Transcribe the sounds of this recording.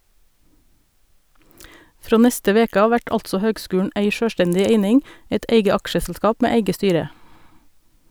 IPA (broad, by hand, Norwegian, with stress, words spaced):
ˈfɾoː ˈnɛstə ˈʋeːkə ˈɑːʋ ˈʋæʈ ˈɑltsɔ ˈhøːɡˌskʉːɳ̩ ˈeɪ ˈʃøːˌʃʈɛndɪ ˈeɪnɪŋ ˈeɪt ˈʔeɪɡə ˈɑkʃəsl̩ˌskɑːp ˈmeː ˈeɪɡə ˈstyːɾə